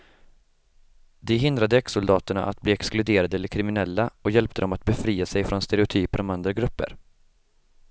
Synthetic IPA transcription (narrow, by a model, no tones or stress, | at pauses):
d̪ɛɦɪnd̪ɾad̪əɛksʊld̪ɑːt̪əɳa̰ʔat̪̚bliːɛksklɵd̪eːɾad̪əɛləɾkʰɾɪmɪnɛlːaɔjɛlpt̪əd̪ɔmat̪̚bɛfɾiːasɛjfɾɔnst̪ɛɾɛʊt̪ʰyːpəɾɔmand̪ɾaɡɾɵpːə̰ɾ